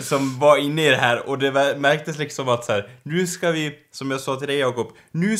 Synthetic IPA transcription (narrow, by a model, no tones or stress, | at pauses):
sɔmvɑɾɪnːəɪd̪ɛɦæːɾɔd̪ɛmæɾk̚t̪əslɪksɔmɑt̪sæːɾnʉːskɑʋɪsɔmjasɑːt̪ʰɪld̪ɛɪjɑːkɔp | nʉː